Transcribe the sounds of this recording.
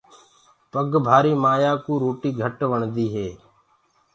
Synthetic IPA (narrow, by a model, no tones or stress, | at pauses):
pəɡbʱaːɾiːmaːjaːkuːɾoːʈiːɡʱəʈʋəɳd̪iːɦeː